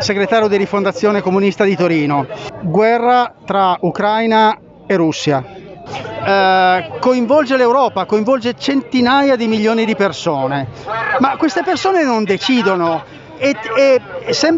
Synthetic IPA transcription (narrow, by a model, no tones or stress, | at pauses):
seɡɾet̪aːɾjod̪iɾifond̪at̪sːjoːnekomunist̪ad̪it̪oɾiːnoɡwɛrːat̪ɾaukɾajna | erːusːja | koiɱvɔld͡ʒelewɾɔːpakoiɱvɔld͡ʒet͡ʃent̪inajad̪imiʎːoːnid̪ipersoːnemakːwest̪epersoːnenond̪et͡ʃiːd̪ono | eesːɛm